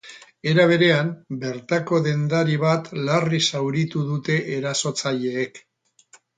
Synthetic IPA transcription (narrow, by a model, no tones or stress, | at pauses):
e̞ɾaβ̞e̞ɾe̞ambe̞ɾt̪ako̞ðe̞nd̪aɾiβ̞at̪larisawɾit̪uðut̪e̞ʔeɾaso̞t͡saʎe̞ːk